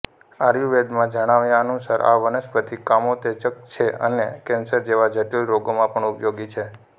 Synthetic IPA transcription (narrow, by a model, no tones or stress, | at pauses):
aɾjuʋeɖ̪mãd͡ʒəɽ̃aʋjãənusaɾa̰ʋənəspət̪ʰikamot̪et͡ʃək̚t͡ʃʰeə̰nekɛ̃nsəɾd͡ʒeʋad͡ʒʱəʈjoɾoɡomãpəɳupjoɡit͡ʃʰe